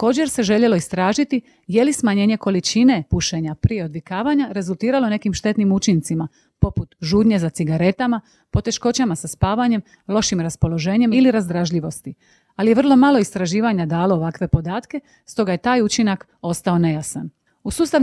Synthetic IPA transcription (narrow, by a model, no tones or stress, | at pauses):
ako̞ːd͡ʑe̞ɾse̞ʒe̞ʎe̞lo̞ist̪ɾaːʒit̪i | je̞lismaɲe̞ːɲe̞ko̞lit͡ʃine̞puʃe̞ɲapɾije̞o̞d̪ʋikaːʋaɲaɾe̞zulˠt̪iːɾalo̞ne̞kimʃt̪e̞t̪nimut͡ʃint̪sima | po̞put̪ʒuːd̪ɲe̞zat̪siɡaɾe̞t̪ama | po̞t̪e̞ʃko̞t͡ɕamasaspaːʋaɲe̞m | lˠo̞ʃimɾaspo̞lo̞ʒe̞ːɲe̞miliɾazd̪ɾaʒʎiʋo̞st̪i | alijer̩lˠo̞malo̞ist̪ɾaʒiːʋaɲad̪aːloːʋakʋe̞po̞d̪aːt̪ke̞ | st̪o̞ɡaje̞t̪aːjut͡ʃinak | o̞st̪ao̞ne̞jasan | usuːst̪aʋ